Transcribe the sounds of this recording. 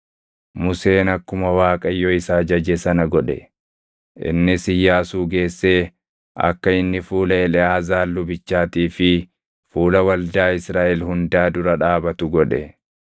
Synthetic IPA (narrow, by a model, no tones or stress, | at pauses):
mʊse̞ːnɐkːʊmɐwaːkʼɐjːɔɪsaːd͡ʒɐd͡ʒɛsɐnɐɡɔᶑɛ̰ | ʔɪ̰nːɪsɪjːaːsuːɡe̞ːsːe̞ː | ɐ̰kːɐɪnːɪfuːlɐɛlɛaːzaːlːʊbɪt͡ʃːaːt̪iːfɪ | fuːlɐwɐld̪aːɪsɾaːʔɛlhʊnd̪aːd̪ʊɾɐᶑaːbɐt̪ʊɡɔᶑɛ̰